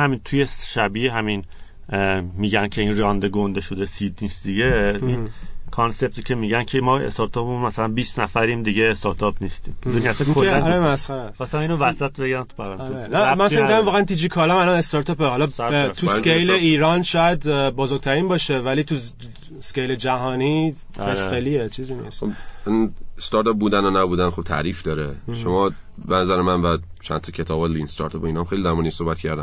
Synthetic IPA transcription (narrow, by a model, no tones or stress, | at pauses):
hæmint̪ʰujeʃæbiɦæmin | miːɟæncʰe̞iːnrɒːnd̪eɡond̪eʃod̪esid̪niːsd̪iɟeinkʰonse̞b̚t̪ʰicʰe̞miːɟæncʰemɒḛst̪ɒɾt̪ʰɒpunmæsælænbiːsnæfæɾimd̪iɟeːst̪ɒɾt̪ʰɒpnist̪ḭːmed̪uniæsænkʰolæɾemæsxæɾæsbɒsæmiːnovæsæt̪̚ʰbeɟæmt̪ʰu̥pʰæɾænʰeeæmænfeid̪æmvɒːɣæænd̪id͡ʒikʰɒːlmælɒne̞st̪ɒɾt̪ʰɒːpehɒlɒt̪ʰuskejleiːɾɒnʃɒːjæd̪bɒːzoɾɡ̚t̪ʰæɾiːnbɒːʃe̞væliːt̪ʰu | skejled͡ʒæɦɒːni | fesxeliet͡ʃʰiziːnḭːst̪obist̪ɒɾt̪ɒp̚buːd̪ænonæbuːd̪ænχob̚t̪ʰæ̰ɾiːfd̪ɒːɾeʃomɒː | benæzæɾemænvæ | t͡ʃʰæ̰nt̪ʰɒcʰe̞t̪ʰɒːbɑlinst̪ɒ̰ɾt̪ʰɒpoinɒmxejlid̪æɾmuːnisohbæt̪cʰæɾd̪æn